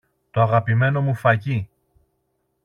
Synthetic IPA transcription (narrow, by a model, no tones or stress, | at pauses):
t̪o̞ɐɣɐpime̞no̞mufɐci